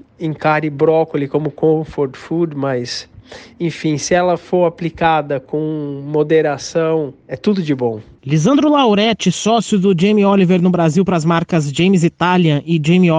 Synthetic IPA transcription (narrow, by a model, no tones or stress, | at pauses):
ẽkaɾɪbɾɔkolɪkõmʊkõfoɾt̪fud̪mɐsẽfĩsɪɛlɐfoɾaplikad̪ɐkõmod̪eɾasɐ̃w̃ɛt̪ud̪ʊd͡ʒɪbõw̃lizɐ̃nd̪ɾʊlawɾɛt͡ʃɪsɔsjʊd̪ʊd͡ʒẽmiɔliveɾnʊbɾaziwpɾɐzmaɾkɐzd͡ʒẽmizit̪aliɐ̃ʔɪd͡ʒẽjmiɔ